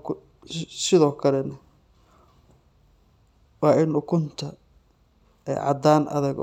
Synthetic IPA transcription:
k | sɪðɔːkʰɐlɛnɐ | wɑːɪnʊkʰʊnt̪ʰɐ | ɛ̰jʕɑ̰d̪aːnʔɐ̰ðɐɡ̰

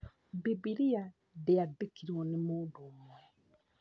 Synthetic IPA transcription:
bibiɾia | deadekiɾɔnemoːdomwɛ

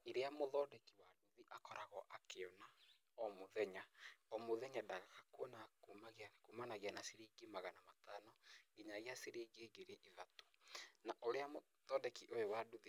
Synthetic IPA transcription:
eɾeamoðɔːdɛkiwaduðiʔakɔɾaɣɔʔakeɔna | ɔmoðɛɲaɔmoðɛɲadaɣakakwɔnakumaɣiakumanaɣeanaseɾeɡemaɣanamatanɔɡiɲaɣiaseɾeɡeːɡeɾeʔiðato̥naʔoɾeamo | ðɔdɛkiʔojowaduði

